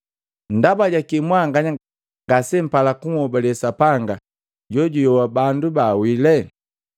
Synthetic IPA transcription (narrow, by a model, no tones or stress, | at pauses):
ndabaɟakimwaŋɡaɲa | ŋɡasɛm̩palakuŋɔbalɛsapaŋɡa | ɟɔɟujɔwabandubaːwilɛ